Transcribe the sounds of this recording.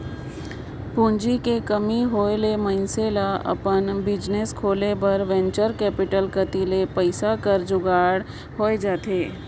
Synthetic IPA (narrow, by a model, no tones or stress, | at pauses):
pũːnd͡ʒikekəmiɦoːelemə̃nselaɐ̰pənbɪd͡ʒneskʰoːlebɐɾʋɛ̃nt͡ʃəɾkɛːpɪʈəlkət̪ilepəɪsakəɾd͡ʒʊɡaːɽ | ɦoːed͡ʒaːt̪eː